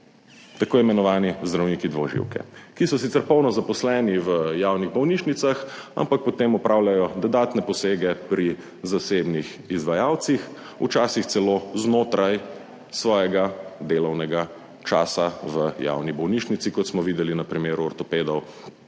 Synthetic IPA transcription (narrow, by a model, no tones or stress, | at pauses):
t̪akoːimɛnɔʋaːnizd̪ɾawniːkid̪ʋɔʒḭwkɛ̰kisɔsit̪ɛɾpɔwnɔzapɔslɛːniʋəjawniɣbɔwniːʃnit̪saxa̰mpak̚pɔt̪emɔpɾʔaːwljajɔd̪ɔd̪aːt̪nɛpɔseːɡɛpɾi | zasebnix | izʋajaːwt̪six | ṵt͡ʃaːsixt̪sɛloːznoːt̪ɾaj | sʋɔːjɛɡad̪eːlɔwnɛɡa | t͡ʃaːsaʋəja̰wnibɔwniːʃnit̪sikɔt̪smɔʋiːd̪ɛlinɐpɾimeːɾuɔɾt̪ɔpeːd̪ɔw